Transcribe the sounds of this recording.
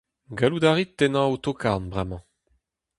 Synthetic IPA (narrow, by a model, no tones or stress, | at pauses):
ɡalud̪aʁit̪ːenɑ̃ut̪okʰaʁnbʁɛmɑ̃